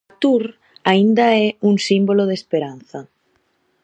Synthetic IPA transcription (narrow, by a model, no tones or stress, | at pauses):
t̪uɾ | aind̪aɛuŋsimboloð̞espeɾan̟θɐ